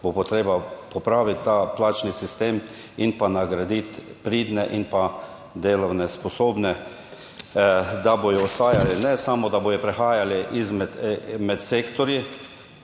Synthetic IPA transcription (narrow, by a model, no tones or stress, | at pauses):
bopɔt̪ɾeːbapɔpɾaːʋit̪ːaːplaːt͡ʃnisist̪eːm | inpanaɡɾad̪it̪pɾiːd̪nɛʔinpa | d̪eːlɔwnɛspɔsoːbnɛ | d̪abojɔɔst̪aːjalinɛsamɔd̪aboːjɔpɾɛxaːjaliʔizmɛd̪mɛt̪seːkt̪ɔɾji